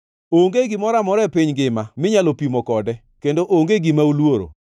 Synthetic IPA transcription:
oŋɡeɡɪmɔɾamɔɾɛpiɲɡɪmamɪɲalopimɔkɔdɛ | kendoʔoŋɡeɡimaulwoɾo̰

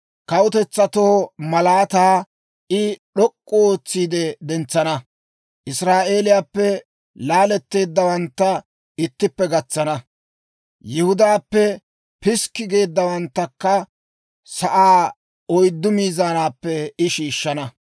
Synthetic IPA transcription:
kɐwʊt̪ɛt͡sːɐt̪oːmɐlaːt̪aː | ʔɪɗɔkʼːooːt͡sːiːd̪ɛd̪ɛnt͡sːɐnɐ | ʔɪsɾaːʔe̞ːlɪjaːpːɛ | laːlɛt̪ːe̞ːd̪ːɐwɐnt̪ːɐ | ɪt̪ːɪpːɛɡɐt͡sːɐnɐ | jɪhʊd̪aːpːɛ | pɪskːɪɡe̞ːd̪ːɐwɐnt̪ːɐkːɐ | sɐʔaː | ɔjd̪ːʊmiːzaːnaːpːɛɪʃiːʃːɐnɐ

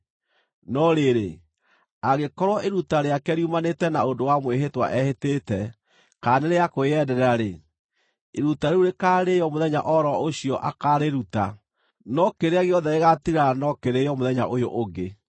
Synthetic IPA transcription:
nɔɾeɾe | aɣekɔɾwaʔeɾutaɾeakɛɾijumanetɛnaodowamweɦetwa̰ʔɛhetetɛ | kaneɾejakoeɛdɛɾaɾe | eɾutaɾeuɾekaːɾejɔmoðɛɲa̰ʔɔɾɔoɕiɔʔakaɾeɾuta̰ | nɔkeɾeaɣeɔðɛeɣatiɾanɔkeɾejɔmoðɛɲa̰ʔojoʔoɡe

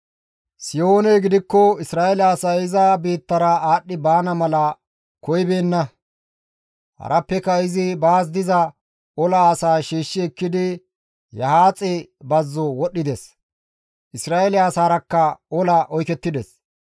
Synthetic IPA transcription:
sɪjo̞ːnɛɡɪd̪ɪkːɔɪsɾaːɛlɐːsɐɪzɐbiːt̪ːɐɾɐaːɗːɪbaːnɐmɐlɐ | kɔjbeːnːɐ | hɐ̰ɾʔɐpːɛkːɐɪzɪbaːs̬d̪ɪzɐ | ɔlɐːsaːʃiːʃːɪɛkːɪd̪ɪ | jɐhaːt͡sʼɪbɐzːɔwɔɗːɪd̪ɛs | ʔɪsɾaːelɪaːsaːɾɐkːɐɔlɐʔɔjkɛt̪ːɪd̪ɛs

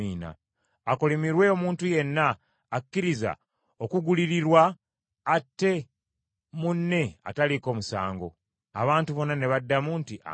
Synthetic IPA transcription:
iːna̰ː | kolimiɾwe̞omuːntuje̞nːaː | kːiɾiza̰ | okuɡuliɾiɾwaː | tːe̞ | munːe̞a̰taliko̞ːmusa̰ːŋɡo̞̰ | a̰βaːntuβo̞nːane̞βadːamuntiʔa̰

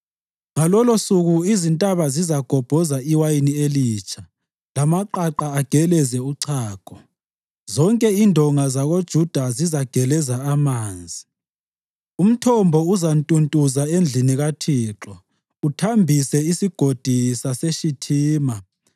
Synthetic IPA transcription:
ŋalɔlosuɣuizintʼaβazizaɡ̥ʱɔb̥ʱɔzaiwajinieliːt͡ʃʰʼa | lamaǃaǃaːɡ̥ʱɛlɛzɛuǀʰaːɡ̥ʱɔ | zɔŋkʼɛindʱɔŋazaɣod̥ʒ̥ʱud̥ʱazizaɡ̥ʱɛlɛzaamaːnd͡zʱi | um̩tʰɔmbʱɔuzantʼuntʼuzaend͡ɮʱiniɣatʰiːǁɔ | utʰambʱisɛisiɡ̥ʱod̥ʱisaseʃitʰiːma

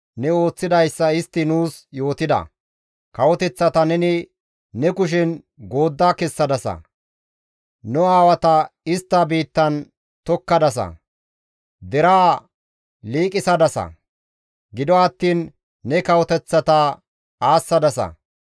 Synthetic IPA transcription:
nɛo̞ːt͡sːɪd̪ɐjsːɐɪst̪ːɪnuːsjo̞ːt̪ɪd̪ɐ̰ | kɐwɔt̪ɛt͡sːɐt̪ɐnɛnɪː | ɛkʊʃ̬ɛn | ɡo̞ːd̪ːaːkɛsːɐd̪ɐsɐ̰ | nʊaːwɐt̪ɐɪst̪ːɐbiːt̪ːɐn | t̪ɔkːɐd̪ɐs̬ɐ̰ | d̪ɛɾaː | liːkʼɪsɐd̪ɐsɐ̰ | ɡɪd̪ɔɐt̪ːiːnː | ɛkɐwɔt̪ɛt͡sːɐt̪ɐ | aːsːɐd̪ɐsɐ̰

